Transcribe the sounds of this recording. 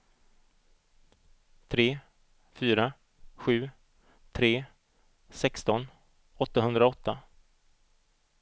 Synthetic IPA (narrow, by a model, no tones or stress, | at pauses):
t̪ʰɾeː | fyːɾa | ɧʉ̟ː | t̪ʰɾeː | sɛkst̪ɔn | ɔt̪ːaɦɵnd̪ɾaɔt̪ːa